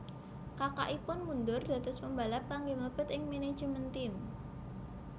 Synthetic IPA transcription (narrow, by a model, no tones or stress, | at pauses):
kaka̰ʔipʊnmund̪ʊrd̪̥a̤t̪ʊsməmbalapaŋɡɪŋləb̥ə̤t̪ɪŋmene̥d͡ʒəmənt̪ɪm